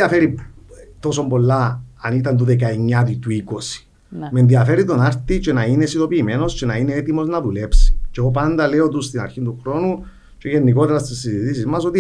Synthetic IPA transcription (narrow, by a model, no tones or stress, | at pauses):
iɐfeɾit̪o̞so̞mbo̞lːaːnit̪ɐnt̪uðek̬aeɲːat̪̬ut̪uiko̞si̥ | menðiɐfeɾit̪onaɾt̪it͡ʃenainesit̪o̞piːme̞no̞st͡ʃenaineet̪imo̞znɐðulepsi̥t͡ʃeɣop̬and̪ɐleot̪̬ust̪inaɾçint̪uxɾo̞nu | t͡ʃeʝenːikot̪eɾɐst̪isːinzit̪is̬izmɐsot̪i